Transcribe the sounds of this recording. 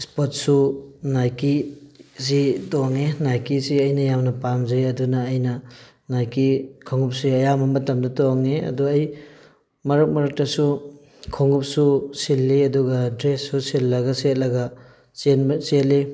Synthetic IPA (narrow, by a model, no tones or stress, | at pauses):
spot̚sunajkisitoŋenajkisiɐjnɐjamnɐpamzɐjɐdunɐːjnɐ | najkikʰoŋɡup̚siɐjamɐmɐtɐmdɐtoŋeɐ̰duɐj | mɐɾɐk̚mɐɾɐk̚tɐsu | kʰoŋup̚susilːiɐduɡɐdɾesːusilːɐɡɐset̚lɐɡɐ | senbseli